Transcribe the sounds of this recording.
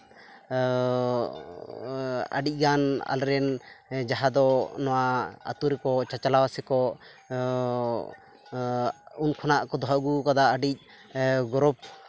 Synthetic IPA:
a̰ɖic̚ˀɡana̰lɾɛnd͡ʒaɦad̪ɔnɔwaa̰t̪uɾɛkɔt͡ʃat͡ʃalawasɛkɔʔ | unkʰɔnaʔkɔd̪ɔɦɔɡukad̪aʔːɖic̚ | ɡɔɾɔp̚

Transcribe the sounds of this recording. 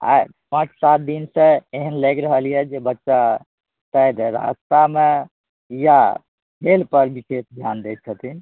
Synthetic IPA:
a̰ | pãt͡ʃʰsat̪̚d̪insə̃eɦənləɡɾəɦəlijɛd͡ʒebətːʃa | t̪əjd̪ɾa̰st̪ame | ja | ɦelpəɾbisesd̪ʱjand̪et̪̚t͡ʃʰət̪in

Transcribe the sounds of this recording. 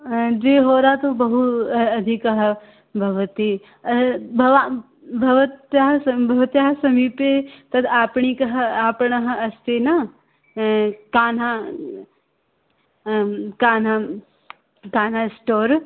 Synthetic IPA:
d͡ʒeːɦoːɾat̪obɐɦuɐd̪ʱikɐɦɐ | bʱɐʋət̪i | ɐbʱɐʋa | bʱɐʋət̪jaɦɐbʱɐʋɐt̪jaɦɐsɐmipet̪ɐd̪aːpɳ̃ikɐɦɐaːpɳɐɦɐ̆ɐst̪eːnaː | kaːna | kaːna | kaːnaːsʈoːɾ

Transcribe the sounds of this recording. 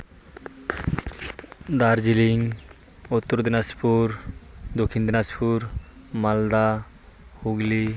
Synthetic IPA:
d̪aɾd͡ʒiliŋ | ut̪ːuɾd̪inaspuɾd̪okʰind̪inaspuɾ | mald̪a | huɡli

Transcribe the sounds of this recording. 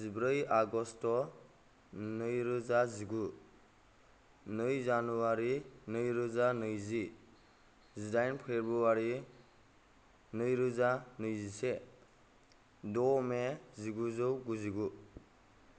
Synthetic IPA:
zibɾɯjaɡɔstɔ | nɯjɾɯzaziɡu | nɯjzanuaɾinɯjɾɯzanɯjzi | zidajnpʰeɾbɯwaɾi | nɯjɾɯzanɯjzise | dɔmeziɡuzɯwɡuziɡu

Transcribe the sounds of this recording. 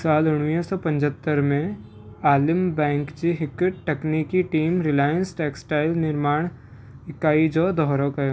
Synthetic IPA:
saːlʊɽ̃ʋisɔpɐ̃ɲd͡ʒət̪ːəɾmẽ | aːlɪmbɛ̃ːŋkd͡ʒiɦɪkɪʈʈekniːkiʈiːmɾɪlaːjənsʈeːksʈaːɪlnɪɾmaːɽ̃ | ɪkːaːid͡ʒɔd̪ɔɦɾõkɐjõ

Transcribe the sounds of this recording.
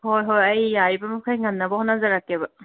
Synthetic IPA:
hojɦojɐjːaɾibɐmukʰajŋanːabɐhɔnːazaɾakebɐ

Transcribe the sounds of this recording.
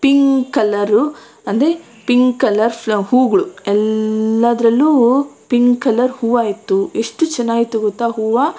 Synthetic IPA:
piŋɡkɐlɐɾu | ɐnd̪ɾe | piŋɡkɐlɐɾɐhuːɡɐɭuɛlːɐd̪ɾɐlːuːpiŋɡkɐlɐɾhuːʋaːjit̪ːueʂʈut͡ʃɐnːaːɡit̪uɡɔt̪ːaɦuːʋa

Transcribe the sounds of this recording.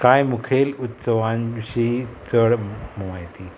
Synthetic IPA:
kajmukʰelut̪səʋãnt͡ɕiːt͡səɽməʋajt̪i

